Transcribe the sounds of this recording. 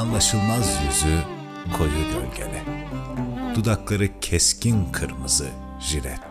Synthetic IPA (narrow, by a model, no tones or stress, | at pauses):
anlˠaʃɯlˠmazjyzy | kʰo̞jud̪ɯlʲɟḛlʲɛ | d̪̥ud̪aklˠaɾɯcʰɛscinkʰɯɾmɯzɯ | ʒiɾɛt̪